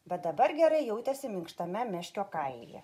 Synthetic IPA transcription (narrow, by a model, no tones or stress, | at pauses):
bʲɛt̪̚d̪ɐbɐɾɡʲɛɾɐɪjɛʊt̪ʲɛsʲɪmʲɪŋkʃt̪ɐmʲɛmʲɛʃʲkʲoːkɐɪljɛ̰